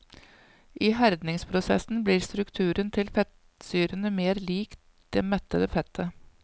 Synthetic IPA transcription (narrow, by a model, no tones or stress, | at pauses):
ʔiːɦæɾd̪nɪŋspʰɾʊsɛ̰sn̩bliːɾst̪ɾʉkt̪ʰʉːɾənt̪ʰɪlfɛt̪ | syːɾənəmeːɾliːk | d̪̥ɛːmɛt̪ːəd̪əfɛt̪ʰːə